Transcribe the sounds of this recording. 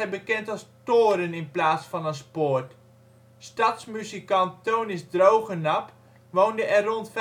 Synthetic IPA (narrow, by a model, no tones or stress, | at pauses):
ɛjbəkɛntɑlˠstoːɾənɪnplaːsfɑnənspoːrt | stɑtsmyzikɑnttownɪsdrowχənɑp | ʋowndəʔɛrrontf